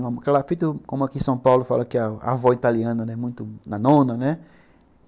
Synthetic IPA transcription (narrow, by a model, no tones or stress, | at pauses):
õmkɛlafit̪ʊkõmʊakisɐ̃w̃pawlʊfa̰lɐkɪaa̰vɔit̪aliɐ̃nɐnɛmũj̃t̪ʊnɐnõnɐnɛ